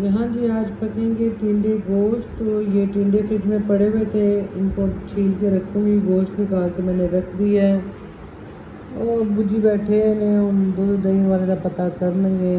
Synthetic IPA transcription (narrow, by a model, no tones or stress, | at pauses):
jɐɦãd͡ʒiːaːd͡ʒpɐkʰẽːŋɡeʈɪ̃ːɳɖeɡoːʃʈojeʈĩːɳɖefʰɪʈmẽpɐɽeet̪ʰeɪnkot͡ʃʰiːlkeɾɐkʰːõbiɡoːʃʈnɪkaːlkemɛ̃ːneɾɐkʰd̪iɛː | ɔːɾbʊd͡ʒibɛːʈʰeɪnẽʊmd̪od̪d̪əiʋaːled̪apɐt̪akəɾnẽɡeː